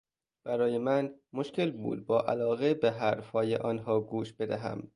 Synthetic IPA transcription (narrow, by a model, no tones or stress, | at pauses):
b̥æɾɒːjemænmoʃcelbṵːd̪̚bɒːʔæ̰lɒːɣebeɦæɾfhɒːjḛʔɒːnɦɒːɡuːʃb̥e̞d̪æɦæ̰m